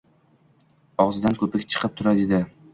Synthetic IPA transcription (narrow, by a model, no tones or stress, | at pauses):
ɒʁzɪd̪ankʰɵpɪkʲt͡ʃʰɨ̥qʰɨp̚t̪ʰʊɾad̪ed̪ɪ